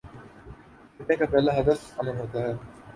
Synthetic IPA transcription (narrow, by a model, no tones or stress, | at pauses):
ɪʈːẽkapɛːlaɦɐd̪əfɐməlɦoːt̪aɦɛː